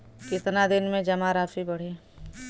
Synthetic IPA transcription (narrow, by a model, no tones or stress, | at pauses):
kɪt̪nad̪ɪnmẽd͡ʒɐmaɾaːfibɐɽ̤eː